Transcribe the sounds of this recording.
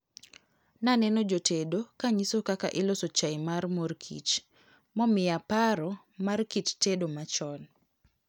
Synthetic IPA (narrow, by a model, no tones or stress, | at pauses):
nanɛnod͡ʒotedokaɲisokaka̰ʔɪlosot͡ʃajmarmorkʰḭt͡ʃ | mɔmɪapaɾɔ | markit͡ʃtedomat͡ʃɔn